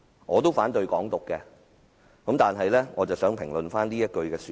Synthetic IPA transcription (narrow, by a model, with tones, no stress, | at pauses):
ŋɔː˨˧t̪̬o˥wfaː˨˥nt̪ɵ˧ɥkɔː˨˥ŋt̪ʊ˨kːɛː˧ | kɐ˨˥mt̪aː˨nɦɐ˨jlɛː˥ŋɔː˨˧t͡sɐ˨˩wsœː˨˥ŋpʰɪ˨˩ŋlɵ˨nfaː˥niː˥jɐ˥t̚kɵ˧ɥkɛː˧syː˨